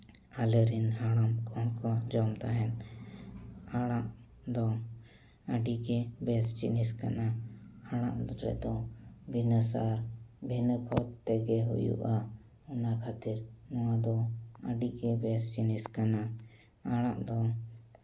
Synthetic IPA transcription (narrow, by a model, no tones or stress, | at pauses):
aləɾinɦaɽ̃amkɔɦkɔd͡ʒɔmt̪aɦɛn | aɽ̃aʔ | d̪ɔ | əɖiɡɛbɛst͡ʃḭniska̰naaɽ̃ã̰ʔɾɛ̰d̪ɔbʱinəsaɾbʱinəkʰɔt̪t̪ɛɡɛɦṵjṵʔa | ɔnakʰat̪iɾnɔwad̪ɔəɖiɡɛbɛst͡ʃiniskana | aɽ̃aʔd̪ɔ